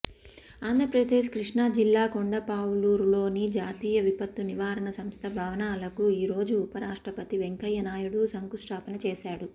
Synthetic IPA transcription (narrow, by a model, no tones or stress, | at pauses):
aːnd̪ʱɾɐpɾɐd̪eːʃkɾiʂɳad͡ʒilːaːkoɳɖɐpaːwuluːɾlo̞ːnid͡ʒaːt̪iːjɐʋipɐt̪ːuniʋaːɾɐɳɐsɐmst̪ʰɐbʱɐʋɐnaːlɐkuiːɾo̞ːd͡ʒuːpɐɾaːʂʈɾɐpɐt̪iʋeŋkɐjɐnaːjuɽusɐŋkusʈaːpɐnɐt͡ʃeːʃaːɽu